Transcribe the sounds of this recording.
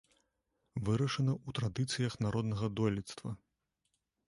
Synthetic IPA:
vɨɾɐʂɐnɐut̪ɾad̪ɨt̪sɨjɐxnaɾɔd̪nɐɣɐd̪ɔlʲit̪st̪vɐ̰

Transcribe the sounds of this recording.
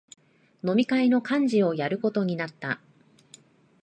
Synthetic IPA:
no̞mʲikaino̞kãɲ̟d͡ʑio̞jaɾɯ̟ko̞t̪o̞ɲ̟inat̪ːa

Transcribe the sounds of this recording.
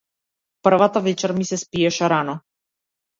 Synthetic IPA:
pr̩vat̪avɛt͡ʃɛɾmisɛspiɛʃɛɾanɔ

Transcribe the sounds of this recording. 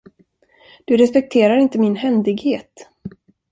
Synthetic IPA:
d̪̥ɵɾɛspɛk̚t̪ʰeːɾaɾɪnt̪əmɪnhɛnd̪ɪɡheːt̪

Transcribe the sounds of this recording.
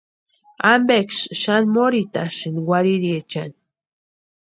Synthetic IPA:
ambekʃʃanmoɾit̪aʃɨnwaɾiɾiet͡ʃani

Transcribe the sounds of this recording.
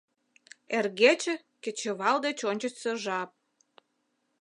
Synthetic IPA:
erɣet͡ɕĕ | kĕt͡ɕə̆βɑld̪et͡ɕonʲt͡ɕə̆t͡ɕsəʒɑp̚

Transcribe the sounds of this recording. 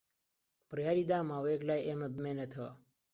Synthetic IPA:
pɾjaːɾid̪aːmaweːklaːjeməbmenət̪ʰəo

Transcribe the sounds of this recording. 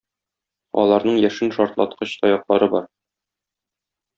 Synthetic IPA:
ɒ̰lˠɑɾnɤɴjæʃɘnʃɒɾt̪lˠɑ̰t̪qɤɕt̪ʰɒjɑqlˠɑɾɤbɒɾ

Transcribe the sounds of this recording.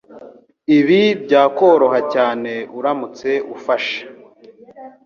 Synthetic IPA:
iβibɟaːko̞ːɾo̞hacaːne̞uɾamut͡se̞ufaʃḁ

